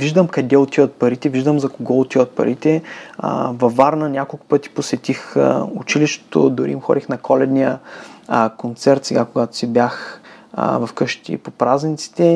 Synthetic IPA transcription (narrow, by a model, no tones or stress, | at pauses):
viʒd̪əmkɐd̪ɛot̪ivət̪̚pɐɾit̪ɛviʒd̪əmzɐkoɡɔʊt̪ivət̪̚pɐ̰ɾit̪ɛ̰ | vɐvaɾnənʲakolˠkʊ̥pɤt̪i̥posɛt̪ixʊt͡ʃiliʃt̪e̥t̪o̰d̪ʊɾḭːmxɔ̰d̪ʲixnɐkʰɔlɛd̪nijə | kont̪sɛɾt̪sɛɡakoɡat̪ʊ̥sibjax | vɐfkɤʃt̪ḭpopɾaznʲint̪si̥t̪ɛ